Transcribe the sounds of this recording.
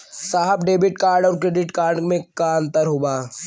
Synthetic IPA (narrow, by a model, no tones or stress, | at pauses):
saːɦəbɖeːbɪʈkaːɾɖɔːɾkɾeːɖɪʈkaːɾɖmẽkaə̃nt̪əɾɦoːɡaː